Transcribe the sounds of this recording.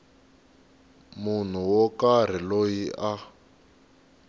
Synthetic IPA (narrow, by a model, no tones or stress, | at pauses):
mun̤uwɔkar̤ilojiʔa